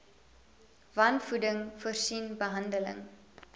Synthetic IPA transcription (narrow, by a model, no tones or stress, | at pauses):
vɐnfudəŋfuərsinbəɦɐndələ̰ŋ